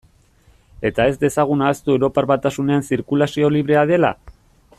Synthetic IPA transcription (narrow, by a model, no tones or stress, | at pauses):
e̞t̪ae̞zd̪e̞saɣ̞unaːst̪uewɾo̞paɾβat̪asune̞ansiɾkulasio̞liβ̞ɾe̞að̞e̞la̰